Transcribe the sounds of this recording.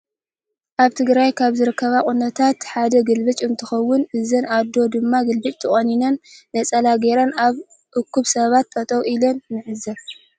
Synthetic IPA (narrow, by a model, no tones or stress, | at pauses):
ʔaβt̪ʰɨɡɾajkʰaβzɨɾɨkʰːɐβakʼunːɐt̪ʰat̪ħad̪ɐɡɨlbɨt͡ʃʼɨnt̪ʰɨxɐwːʊnʔɨzɐnad̪o̞d̪ɨmːaɡɨlbɨt͡ʃʼt̪ʰɨχʼɐninɐnːɐt͡sʼɐlaɡeɾanaβ | ʔɨkʰːuβsɐβat̪ːʼɐt̪ʼɐwʔilonːɨʕɨzɐ